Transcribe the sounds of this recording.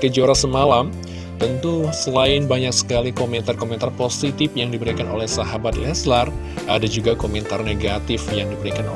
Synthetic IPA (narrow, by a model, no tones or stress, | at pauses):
kəd͡ʒoɾasəmalam | t̪ənt̪usəlaɪnbaɲaksə̥kalikomɛnt̪arkomɛnt̪arposit̪ɪfjaŋdibəɾikanolɛhsaɦabat̪ḭlaslar | a̰dad͡ʒuɡakomɛnt̪arneɡat̪ɪfjaŋdibəɾikan